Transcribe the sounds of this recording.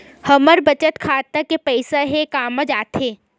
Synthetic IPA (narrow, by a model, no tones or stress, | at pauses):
hɐməɾbɐt͡ʃət̪kʰaːt̪akepɛɪsaɦekaːmə̃d͡ʒaːt̪eː